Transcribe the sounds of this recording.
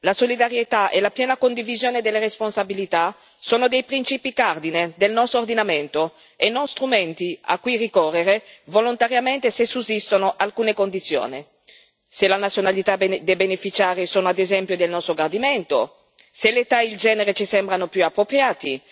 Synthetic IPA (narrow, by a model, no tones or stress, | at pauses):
lasolid̪aɾjet̪aʔelapjɛːnakond̪ivizjoːned̪elːeresponsabilit̪a | soːnod̪ejpɾint͡ʃiːpikard̪ined̪elnɔst̪ɾord̪inament̪o | enːonst̪ɾument̪ia̰kːwirikɔrːeɾevolont̪aɾjament̪esesusist̪onoʔalkuːnekond̪it̪sːjo̰ːni | selanat̪sjonalit̪ad̪ebenefit͡ʃaːɾisoːnoad̪ezɛmpjod̪elnɔst̪ɾoɡard̪iment̪o̰ | selet̪aild͡ʒɛːneɾet͡ʃisɛmbɾanopjuapːɾopɾjaːt̪i